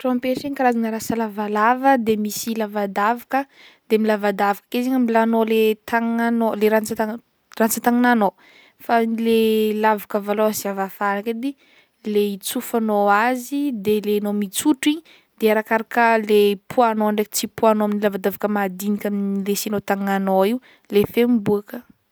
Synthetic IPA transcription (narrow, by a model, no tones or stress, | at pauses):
ʈ͡ʂɔmpeʃikaɾazanəɾasəlavalavəd̪emisilavad̪avakə | d̪̥emilavad̪avakə̥keziɲəmilanolet̪ʰaŋnanoleɾant͡sət̪a | rant͡sət̪aŋinano | failelavakəvaloasiavafanaked̪i | leit͡sufanoazid̪elenomit͡suʈ͡ʂiɲ | d̪̥eaɾakaɾakəlepʰuanoaɳɖ͡ʐekə̥t͡sipuanoaminilavad̪avakəmad̪inikʲaminilesinot̪aŋanoiw | lefembuakə